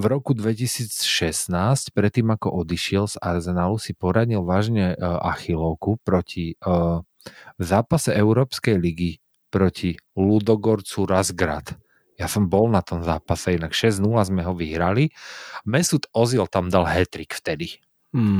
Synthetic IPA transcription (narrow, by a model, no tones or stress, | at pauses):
vɾɔkud̪ʋɛcisiːt͡sʃɛsnaːscpɾɛt̪ːiːmakɔʔɔd̪iʃɪɛlz̥aɾzɛnaːlusipɔɾaɲilʋaːʒɲɛʔa̰xilɔʊkupɾɔcʰi | vzaːpasɛɛʊɾɔːpskɛjliɡi | pɾɔcʰilud̪ɔɡɔɾt͡suɾazɡɾa̰t̪ | jasɔmbɔlnat̪ɔmzaːpasɛinakʃɛznulazmɛɦɔʋiɦɾalimɛsut̪ɔzilt̪amd̪alɦɛt̪ɾikft̪ɛd̪i